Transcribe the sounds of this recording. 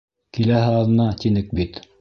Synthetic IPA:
kilæhɘɑlðɤ̆nɑt̪inɘk̚bit̪

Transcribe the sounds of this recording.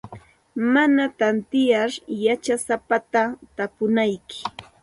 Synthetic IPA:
manat̪ant̪ɪjaɾjat͡ʃasapat̪at̪apʊnajkɪ̥

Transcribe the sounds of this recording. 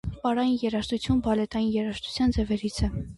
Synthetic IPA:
pɑɾɑjinjɛɾɑʃt̪ut͡sʰjunbɑlɛt̪ɑjinjɛɾɑʃt̪ʰu̥t͡sʰjɑnd͡zɛvɛɾit͡sʰɛ

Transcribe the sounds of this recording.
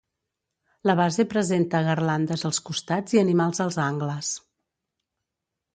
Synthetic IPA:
ləβazepɾəzent̪əɣərland̪əzəlˠskust̪ad͡ziənimalˠzəlˠzaŋɡləs

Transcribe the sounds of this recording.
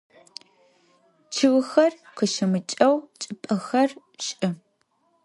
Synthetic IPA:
t͡ʃʰɨwʊxɐrqəʃɐmɨt͡ʃʼɐwt͡ʃʼɨpʼɐxɐr | ɕʼɨ

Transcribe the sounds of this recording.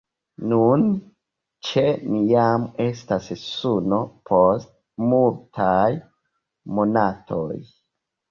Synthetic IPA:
nun | t͡ʃenijame̞stassuno̞pʰost̚ | multʰaj | mo̞natʰo̰j

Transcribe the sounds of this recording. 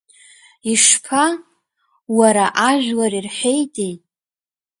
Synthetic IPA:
iʂpʰa | waɾaʔaʒᶣwarirħejtʼejʼ

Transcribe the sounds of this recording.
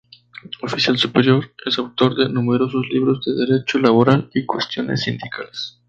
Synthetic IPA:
ofisjalsupeɾjo̞ɾe̞sawt̪o̞ɾðe̞nume̞ɾo̞so̞zliβɾo̞zd̪e̞ðeɾe̞t͡ʃo̞laβo̞ɾalikwe̞st̪jo̞nḛsːind̪ikʰales

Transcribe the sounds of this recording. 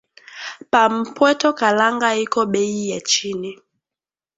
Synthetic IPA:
pam̩pwɛtɔkalaŋɡaikɔɓɛijat͡ʃini

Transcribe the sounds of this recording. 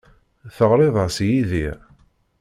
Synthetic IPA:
θəʁɾˤɪðˤəsjiði

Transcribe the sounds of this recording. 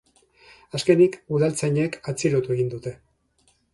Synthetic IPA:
aske̞nikuðalt͡sajɲe̞kʰat͡siɾot̪ueɣ̞ind̪ut̪e̞

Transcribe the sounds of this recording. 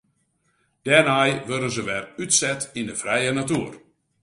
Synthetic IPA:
d̥ɛrnajʋødəzəʋɛrytsɛtindəfrɛjənatuər

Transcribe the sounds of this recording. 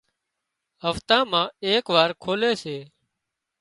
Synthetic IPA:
ɦəft̪ãːmãːeːkʋaːɾkʰoːleːseː

